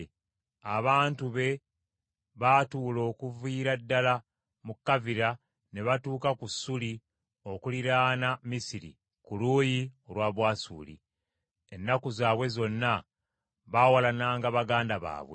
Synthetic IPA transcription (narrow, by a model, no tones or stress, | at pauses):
aβaːntuβe̞ | βatuːlo̞ːkuviːɾadːala | mukːaviɾa | ne̞βatuːkakusːuli | o̞kuliɾaːnamisiɾḭ | kuluːjio̞lwaːβwaːsṵːlḭ | enːakuzaːβwe̞zo̞nːa | βawalanaːŋɡaβaɡaːndaβa̰ːβwḛ